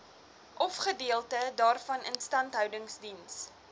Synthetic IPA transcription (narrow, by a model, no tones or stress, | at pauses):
ʔɔfχədiəlˠtədɑːrfɐnə̰nstɐntɦœwdəŋsdins